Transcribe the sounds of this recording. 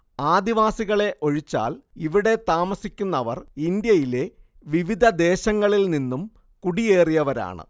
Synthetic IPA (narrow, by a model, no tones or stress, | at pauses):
aːd̪iʋaːsiɣɐɭe̞ʔo̞ɻit͡ɕːa̰ːliʋiɽe̞t̪aːmɐsikʲːunːɐʋɐrind̪jɐjile̞ | ʋiʋid̪ʱɐd̪e̞ːɕɐŋːɐɭilninːum | kuɽije̞ːrijɐʋɐɾa̰ːɳɨ̰